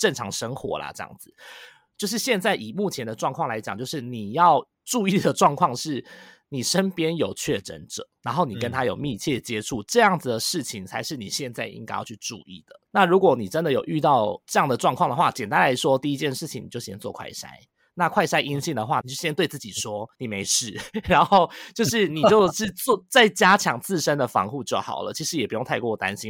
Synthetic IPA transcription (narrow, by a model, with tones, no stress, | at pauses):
ʈ͡ʂə˥˩nʈ͡ʂʰɑ̰˧˥ŋʂə˥ŋxwɔ̰˧˥la̰˨ʈ͡ʂɤ˥˧jɑ̰˥˩ŋd͡zɹ̩˩ | t͡ɕjo˥˧ʊʂ̬ɻ̩˥˧ɕjɛ˥˧nt͡sa˥˩ɪʔi˨˩mu˥˩t͡ɕʰjɛ˧˥nd̪ə˨ʈ͡ʂwɑ˥˧ŋkʰwɑ˥˨ŋla˧ɪt͡ɕja˨˩ŋt͡ɕjo˥˧ʊʂɻ̩˥˩ni˨˩jɑ˥˧ʊ | ʈ͡ʂu˥˧i˥˩d̪ə˩ʈ͡ʂwɑ˥˧ŋkʰwɑ˥˧ŋʂɻ̩˥˩ni˨˩ʂə˦˥npjɛ˥njo˨˩ʊt͡ɕʰɥɛ˥˩ʈ͡ʂə̰˧˦nʈ͡ʂɤ̰˨˩˦ɻa˧˥nxo˥˩ʊni˨˩kə˦nt̪ʰa˥jo˨˩ʊmi˥˧t͡ɕʰjɛ˥˩t͡ɕjɛ˥ʈ͡ʂʰu˥˩ʈ͡ʂɤ˥˧jɑ˥˩ŋd͡zɨ˩d̪ə˩ʂɻ̩˥˩t͡ɕʰi˨˩ŋt͡sʰa˧ɪʂɻ̩˥˩ni˨˩ɕjɛ˥˧nt͡sa˥˩ɪʔḭ˥ŋka˧jɑ̰˥˧ʊt͡ɕʰy˥˧ʈ͡ʂṵ˥˧ḭ˥˩d̪̥ə˩na˥˩ɻu˧˥kwɔ˨˩ni˨˩ʈ͡ʂə˦nd̪ə˨jo˨˩ʊʔy˥˧t̪ɑ˥˧ʊʈ͡ʂɤ˥˧jɑ˥˩ŋd̪ə˩ʈ͡ʂwɑ˥˧ŋkʰwɑ˥˩ŋd̪ə˩xwa̰˥˩t͡ɕɛ˨˩nt̪ã˥˦nla˧˥ɪʂwɔ˥t̪i˥˧i˧˥t͡ɕjɛ˥˧nʂɻ̩ʰ˥˩i˨ŋni˨˩jo˥˩ʊɕjɛ˥nt͡swɔ˥˧kʰwa̰˥˩ɪʂa̰˥ɪ | na˥˧kʰwa˥˩ɪʂa˥ɪʔi˥nɕi˥˩nd̪ə˩xwa̰˥˩ni˨t͡ɕo˥˩ɕjɛ˥nt̪we˥˧ɪt͡sɹ̩˥˩t͡ɕi˨˩ʂwɔ˥ni˨˩me˧˥ɪʂɻ̩˥˩ɻa˨˦nxo˥˩ʊt͡ɕjo˥˧ʊʂɻ̩˥˩ni˨˩t͡ɕjo˥˧ʊʂ̩˥˧t͡sɔ˥˧t͡sa˥˩ɪt͡ɕja˥t͡ɕʰjɑ˧˥ŋt͡sɹ̩˥˩ʂə˦nd̪ə˨fɑ̰˧˥ŋxu˥˧t͡ɕjo˥˩ʊxɑ̰˨˩ʊlə̰˦t͡ɕʰi˧˥ʂɻ̩˧˥jɛ˨˩pu˧˥jo˥˧ŋt̪ʰa˥˧ɪkt̪a˦˥nɕi˥n